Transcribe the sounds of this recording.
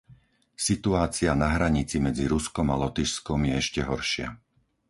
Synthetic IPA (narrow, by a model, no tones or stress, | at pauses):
sit̪uaːt͡sianaɦɾaɲit͡simɛd͡ziɾuskɔmalɔt̪iʃskɔmjɛɛʃcɛɦɔɾʃɪa̰